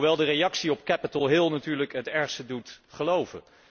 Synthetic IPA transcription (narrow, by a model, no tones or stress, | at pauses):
ʋɛlˠdərejɑksiɔp̚kɛpətəlˠɦɪlˠnatyːɹləkɦətɛɹχstədutχəlowvə̰n